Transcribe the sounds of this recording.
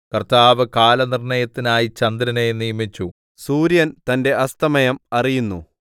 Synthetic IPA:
kɐrt̪aːʋɨkaːlɐnirɳɐjɐt̪ːinaːjit͡ɕɐnd̪ɾɐne̞nijɐmit͡ɕːu | suːɾjɐnt̪ɐnde̞ʔɐst̪ʰɐmɐjɐmɐrijunːṵ

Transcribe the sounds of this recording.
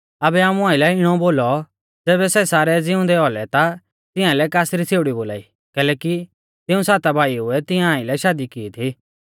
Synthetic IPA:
ɐbɛaːmũãːɪlɛɪɽ̃ɔboːlɔ | d͡zɛːβɛsɛsaːɾɛd͡zɪʊ̃nd̪ɛɔlɛt̪a | t̪ɪ̃ãlɛkaːsɾit͡sʰeːʊɽiboːla̰ːḭː | kɛːlɛːki | t̪ɪũsaːt̪abʱaːiʊɛt̪ɪãaːɪlɛʃaːd̪ikiːt̪ʰi

